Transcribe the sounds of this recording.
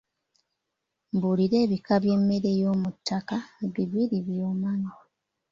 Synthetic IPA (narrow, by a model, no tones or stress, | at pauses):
mbuliɾe̞ːβikaβje̞mːe̞ɾe̞jo̞ːmutːakaβiβiɾiβjoːmaɲa